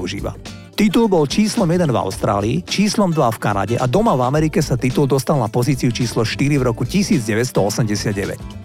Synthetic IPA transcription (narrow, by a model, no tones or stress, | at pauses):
uʒḭːʋa̰ | t̪it̪ulbɔlt͡ʃiːslɔmjɛd̪ɛnva̰ʊst̪ɾa̰ːliːt͡ʃiːslɔmd̪ʋafkana̰ɟɛʔad̪ɔmavamɛɾikɛsat̪it̪uld̪ɔst̪alnapɔziːt͡siut͡ʃiːslɔʃt̪iɾivɾɔkucisiːd͡zɟɛʋɛt̪st̪ɔɔsɛmɟɛsɪad̪̚ɟɛʋɛ̰c